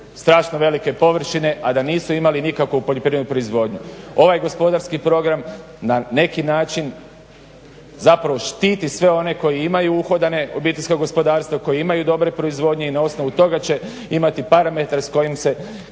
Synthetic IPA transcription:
st̪ɾaːʃnoʋe̞like̞po̞ʋr̩ʃine̞ʔad̪aniːsuimalinikakoupo̞ʎopɾiendupɾo̞izʋo̞d̪ɲuo̞ʋajɡo̞spo̞d̪aɾskipɾo̞ɡɾam | nane̞kinaːt͡ʃin | zapɾaʋo̞ʃt̪iːt̪isʋe̞o̞ne̞ko̞jiimajuuxo̞d̪ane̞o̞biːt̪e̞ʎʲskoɡo̞spo̞d̪aːɾst̪ʋako̞jiimajud̪o̞bɾe̞pɾo̞izʋo̞ːd̪ɲe̞inao̞sno̞ʋut̪o̞ɡat͡ɕe̞ | imat̪ipaɾame̞t̪aɾesko̞jimse̞

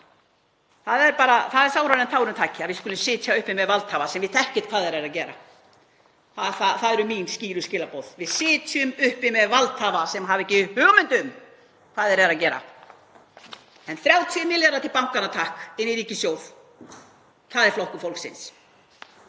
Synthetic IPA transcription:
θaðɛɾpaːɾaθaðɛɾsaːwɾaɾɛnt̪ʰaːwɾʏmt̪ʰaːcɪaðvɪðskʏːlʏmsɪːt̪ʰjaʏhpɪmɛðvalt̪haːvasɛmvɪðθɛhcɪt̪kʰvaːðɛɾɛːɾacɛːɾa̰ | θaθaθaðɛɾʏminsciːɾʏscɪːlapowð̥vɪðsɪːt̪ʰjʏmʏhpɪmɛðvalt̪havasɛmɦavɛcːɪhʏːɣmʏnt̪ʏm | kʰv̥aːðɛɾɛːɾacɛːɾa̰ | ɛnθɾjaːwt̪ʰːnɪljaɾat̪ʰɪlpawŋkanat̪ʰahkɪnːɪɾiːcɪsjoːwð | kθaðɛɾflowhkʏfowlksɪ̰ns

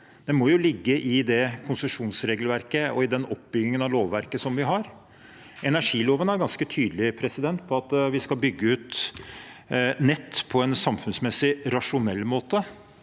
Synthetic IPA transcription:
d̪̥ɛmɔjʊlɪɡːəʔɪd̪ɛkʰʊnsəʂuːnsɾeːɡlʋæɾkəɔ̰ɪd̪ɛnɔpbʏɡɪŋənɑloːʋːæɾkəsɔmʋɪɦɑɾ | ʔɛnæʂiːloːʋənæɾɡɑnskət̪ʰyːd̪lɪpʰɾɛsɪd̪ɛnt̪pʰɔɑt̪ʋɪskɑlbʏɡːəʉːt̪ | nɛt̪ːpʰɔɛnsɑmfʉnsmɛsɪɾɑʂʊnɛlːmoːt̪ə

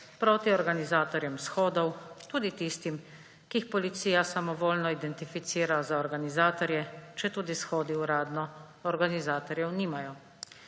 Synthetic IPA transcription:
pɾoːt̪iɔɾɡanizaːt̪ɔɾjɛmsxɔːd̪ɔwt̪uːd̪it̪ist̪im | kiːxpɔlit̪siːjasamɔʋoːlnɔid̪ɛnt̪ifit̪siːɾazaɔɾɡanizaːt̪ɔɾjɛt͡ʃɛt̪uːd̪isxɔːd̪iuɾaːd̪nɔ | ɔɾɡanizaːt̪ɔɾjɛwniːmajɔ

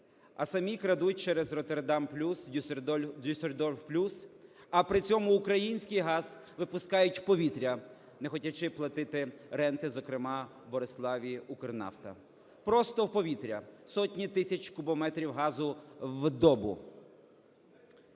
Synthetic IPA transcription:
ɐsɐmʲikɾɐd̪ut̚ʲt͡ʃɛɾɛzrɔt̪erd̪ɑmplʲusʲ | userd̪ɔwplʲus | ɐpɾɪt͡sʲɔmʊːkɾɐjinʲsʲkɪjɦɑz̥ʋɪpʊskɑjʊtʲpɔʋʲit̪ɾʲɐ | nɛxɔtʲɐt͡ʃɪplˠɐt̪ɪt̪ɪɾɛnt̪ɪzɔkɾɪmɑ | bɔɾeslˠɑʋʲiʔʊkernɑ̰wt̪ɐ̰ | pɾɔst̪ɔwpɔʋʲit̪ɾʲɐsɔtʲnʲit̪ɪsʲɐt͡ʃʲkʊbɔmɛt̪ɾʲiwɦɑzʊwd̪ɔbʊ̰

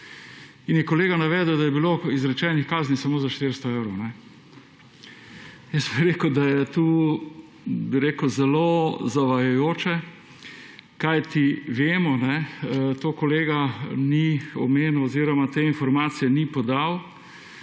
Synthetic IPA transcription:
injɛkɔleːɡanaʋɛːd̪əwd̪ajɛbiloizɾɛt͡ʃɛnixkaːznisamoːzaʃt̪eɾst̪ɔewɾɐwnɛ | jəsbiɾeːkəd̪ajɛt̪uː | biɾeːkəzɛlozaʋajajoːt͡ʃɛ | kajt̪iʋeːmɔnɛt̪oːkɔleːɡaniɔ̰meːnuoziːɾɔmat̪eːinfɔɾmaːt̪sijɛnipɔd̪aw

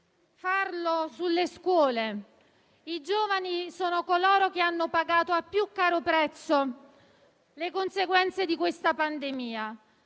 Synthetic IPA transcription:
farlosulːeskwɔːle | id͡ʒoːvanisoːnokolɔːɾok̟eanːopaɡaːt̪oapːjukːaːɾopɾɛt̪sːo | lekonseɡwɛnt̪sed̪ikwest̪apand̪emiːa

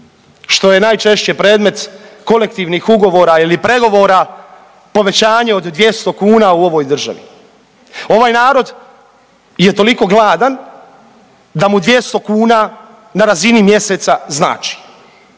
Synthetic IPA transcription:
ʃt̪o̞je̞naːjt͡ʃe̞ʃt͡ɕepɾe̞ːd̪me̞t̪ko̞le̞k̚t̪iːʋnixuɡo̞ʋo̞ːɾailipɾe̞ɡo̞ʋo̞ːɾa | po̞ʋe̞t͡ɕaːɲeo̞d̪ːʋje̞st̪o̞kuːnauo̞ʋo̞jd̪r̩ʒa̰ʋḭ | o̞ʋaːjnaːɾo̞d̪ | je̞t̪o̞liko̞ɡlˠaːd̪an | d̪amud̪ʋje̞st̪o̞kuːna | naɾazinimje̞se̞ːt̪sazna̰ːt͡ʃi̥

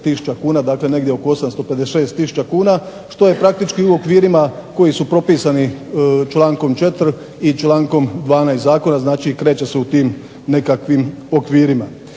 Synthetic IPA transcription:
t̪isu̥t͡ʃakuːnad̪aːkle̞ne̞ɡdʲjeokoo̞samst̪o̞pe̞d̪eʃe̞ːst̪ːisu̥t͡ʃakuːna | ʃt̪o̞je̞pɾak̚t̪it͡ʃkiuo̞kʋiːɾimako̞jisupɾo̞piːsanit͡ʃlˠaːŋko̞mt͡ʃe̞t̪ɾ | it͡ʃlˠaːŋko̞md̪ʋaːnaːjszaːko̞naznaːt͡ʃikɾe̞ːt͡ɕe̞se̞ut̪iːm | ne̞kakʋimo̞kʋiːɾima

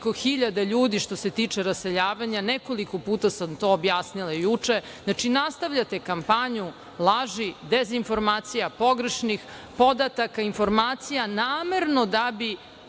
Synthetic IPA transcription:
koxiʎad̪aʎuːd̪iʃt̪o̞se̞t̪iːt͡ʂeɾaseʎaːʋaɲanekolikopuːt̪asamt̪o̞ːbjaːsnilˠajut͡ʂe | nat͡ʂinast̪aʋʎat̪e̞kampaɲu | lˠaʒid̪ezinfo̞ɾmaːt̪sijapo̞ɡɾeʃnix | po̞d̪at̪akainfo̞ɾmaːt̪sijanaːmeɾno̞d̪abi

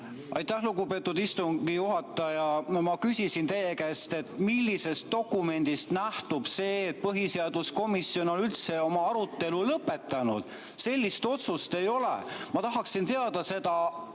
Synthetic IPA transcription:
ʔɑ̰jt̪ːˑæhluɡupe̞ːt̪ːˑud̪ist̪uŋɡijuɦɑt̪ˑːɑjɑmɑkysʲisint̪e̞jekeːst̪e̞t̪milʲːise̞st̪̚ːo̞kːˑume̞nd̪̥ist̪næht̪ub̥se̞ːt̪̚pɤɦise̞ɑd̪̥usko̞misio̞no̞nylt̪se̞o̞mɑɑɾut̪ːˑe̞lulɤpːˑe̞t̪ːˑɑnṵd̪̥ | se̞lʲːist̪o̞t̪sust̪e̞jo̞lḛmɑt̪ɑɦɑksint̪e̞ɑd̪̥ɑse̞d̪̥ɑ

